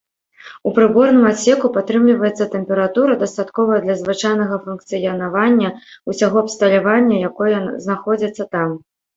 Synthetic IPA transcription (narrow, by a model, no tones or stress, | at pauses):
upɾɨbɔrnɨmasʲɛkupat̪ɾɨmlʲivɐjɛt̪sːɐt̪ɛmpʲɛɾat̪uɾɐd̪ɐst̪at̪kɔvɐjɐd̪lʲɐzvɨt͡ʂajnɐɣɐfunk̚t̪sɨjɐnavanʲːɐusʲaɣɔɐpst̪ɐlʲavanʲːɐjakɔjɐznaxɔd͡zʲɐt̪sːɐt̪am